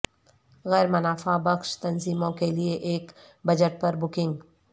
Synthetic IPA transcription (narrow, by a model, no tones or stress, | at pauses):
ɣɛːɾmɐnaːfabɐxʃt̪ɐnziːmõkelieʔeːk | bɐd͡ʒəʈ̚pɐɾbʊkɪ̃ŋɡ